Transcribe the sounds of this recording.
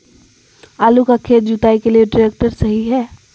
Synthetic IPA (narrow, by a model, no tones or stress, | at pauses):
aːlukakʰeːt̪̚d͡ʒʊt̪aːikelieɖɾeːk̚ʈəɾsɐɦiɦɛː